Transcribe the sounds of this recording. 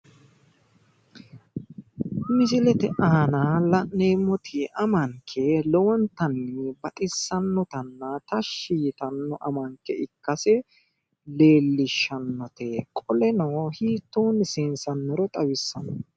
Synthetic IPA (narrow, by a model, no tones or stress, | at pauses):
mɪsɪlɛt̪ɛʔaːnɐlɐʔneːmːɔt̪ʰɪʔɐmɐŋkʰːɛlɛwɔnt̪ɐnːɛbɐt̪ʼɪsːɐnːɔt̪ɐnːɐt̪ɐʃiːt̪ɐnːɔʔɐmɐŋkːɛɪkːɐsɛ | le̞ːlːɪʃːɐnːɔt̪ɛkʼɔlɛnɐwhiːt̪ːoːnɪsɪnsɐnːɛɾɔt̪ʼɐwɪsːɐnɔ